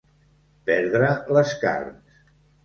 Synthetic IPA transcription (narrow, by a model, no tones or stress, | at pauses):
pɛɾðɾələska̰ɾns